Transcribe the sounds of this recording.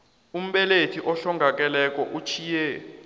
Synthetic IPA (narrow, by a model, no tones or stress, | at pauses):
um̩ɓɛletʰiʔɔɬɔŋɡʱak̬ʼɛlɛk̬ʼɔʔut͡ʃʰiːjɛ